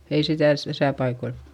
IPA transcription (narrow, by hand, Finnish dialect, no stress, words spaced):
ei sitæˑ s tæsæ pɑikoil